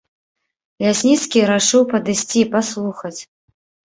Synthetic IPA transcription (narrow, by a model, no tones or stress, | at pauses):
lʲasʲnʲit̪skʲiɾaʂɨwpɐd̪ɨsʲt͡sʲiːpaslˠuxɐt͡sʲ